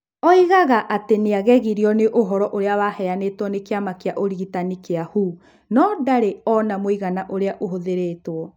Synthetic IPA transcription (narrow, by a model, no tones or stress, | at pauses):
ɔiɣaɣaʔateneaɣɛɣiɾiɔneʔoɦɔɾɔʔoɾeawahɛanetwɔnekeamakeaʔoɾiɣitanikeahu | nɔːdaɾeɔnamoiɣanaʔoɾeaʔoɦoðeɾeːtwɔ